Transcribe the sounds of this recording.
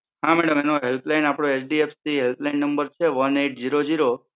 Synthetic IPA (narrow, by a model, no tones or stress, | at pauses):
ɦãmɛɽəmenoɦelplajnapɽ̃oesɖiefsiɦelp̪lajnːəmbəɾt͡ʃʰeʋəneʈ̚ʰd͡ʒiɾod͡ʒiɾo